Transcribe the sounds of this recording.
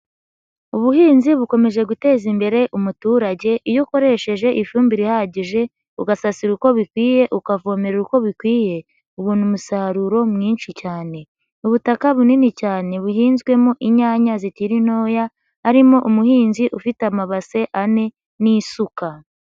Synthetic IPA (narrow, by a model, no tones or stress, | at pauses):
uβuhiːnziβuko̞me̞ʒe̞ɡute̞ːzimbe̞ɾe̞ʔumutuːɾaɟe̞ʔijoko̞ɾe̞ʃe̞ʒe̞ʔifuːmbiɾihaɟiʒe̞ | uɡasasiɾuko̞βikwiːje̞ʔukavo̞me̞ɾuɾuko̞βikwiːje̞ | uβuːnumusaɾuɾo̞mŋiːnʃicaːne̞ | uβutakaβuninicaːne̞βuɦiːnzɡwe̞moʔiɲaːɲazitiɾin̥o̞ːjaː | ɾimo̞ʔumuhiːnziʔufitamaβase̞ʔane̞ | nisuka